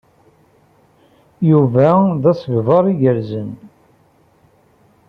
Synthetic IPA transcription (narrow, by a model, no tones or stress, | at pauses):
juvæðæsəɡvɑɾˤiʝəɾzən